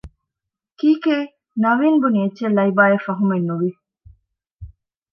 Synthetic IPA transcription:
kiːkeː | nɐʋiːnbunietːt͡ʃelːɐibaːjefɐɦumenːuʋi

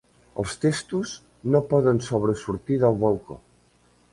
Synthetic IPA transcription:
əlˠst̪est̪uz | nopɔðənsoβɾəsuɾt̪iðəlˠβolˠko̰

